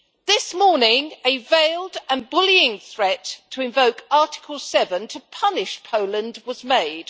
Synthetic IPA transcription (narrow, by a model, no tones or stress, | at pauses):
ðɪsmɔɹnɪ̃ŋɨveɪlˠdə̃nbʊliɪ̃ŋθɹɛtʰəɪ̃ɱvəʊkɑˑtɪ̥kʰəlˠsɛvə̃ntʰəpʰʌnɪʃpʰəʊlə̃ndwʌzmeɪd̥